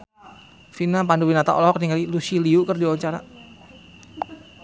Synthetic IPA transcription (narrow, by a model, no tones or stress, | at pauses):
finapanduwinat̪a̰ʔɔ̰lɔɦɔk̚niŋalilusiliukərdiawaɲt͡ʃaɾa̰